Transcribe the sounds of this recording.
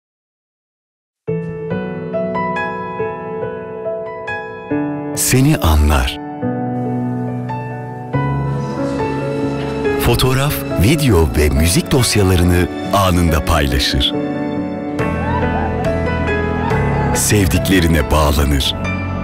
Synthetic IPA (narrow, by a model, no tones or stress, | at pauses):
se̞niʔanlˠa̰ɾ̥ | fo̞t̪ʰo̞ɾafvid̪eo̞vɛmyzic̚d̪o̞sjalˠaɾɯnɯ | aːnɯnd̪apʰajlˠa̰ʃɯ̰ɾ̥ | sɛvd̪iclʲe̞ɾinɛbaːlˠanɯɾ̥